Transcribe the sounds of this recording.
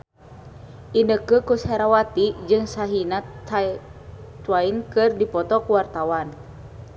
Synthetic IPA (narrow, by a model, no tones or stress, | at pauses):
ʔindəkəkushɛɾawat̪id͡ʒɨŋsaɦinat̪a | t̪wainkɨrdipɔt̪ɔkuwart̪awan